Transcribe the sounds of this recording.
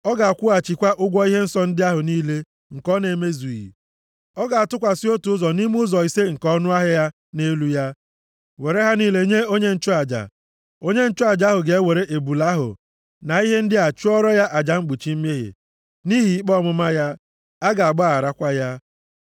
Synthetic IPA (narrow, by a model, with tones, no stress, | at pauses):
ɔ˦ɡa˨a˨kʷʊ˦a˨t͡ʃi˨kʷa˦ʔʊ˦ɡʷɔ˦i˦ɦe˦n̩˦sɔ˦n̩˦dɪ˦a˦ɦʊ˨niː˦le˦ | ŋ̩˨kɔ˦ne˨me˦zu˨ḭ˨ | ɔ˦ɡa˨a˨tʊ˦kʷa˨sɪ˦o˦tu˨ʊ˦zɔ˨ni˦m˦ʊ˦zɔ˨i˨se˦ŋ̩˨kɔ˦nʊ˦a˦ɦɪ˦ja˦ | ne˦lu˦ja˦ | we˨ɾe˦ɦa˦niː˦le˦ɲe˦o˦ɲe˦n̩˦t͡ʃʊ˦a˨d͡ʒa̰˨ | o˦ɲe˦n̩˦t͡ʃʊ˦a˨d͡ʒa˦ɦʊ˨ɡe˨e˦we˨ɾe˦ʔe˨bu˨la˦ɦʊ̰˨ | na˨i˦ɦe˦n̩˦dɪ˦a˨t͡ʃu˦ɔ˦ɾɔ˦ja˦ʔa˨d͡ʒa˨ŋ͡m̩˦ɡ͡bu˨t͡ʃi˦m̩˦me˦ɦɪ̰˨ | ni˦ɦi˨i˦k͡pɔ˦˨mʊ˦ma˦ja˦ | a˦ɡa˨a˨ɡ͡ba˦a˨ɾa˦kʷa˦ja˦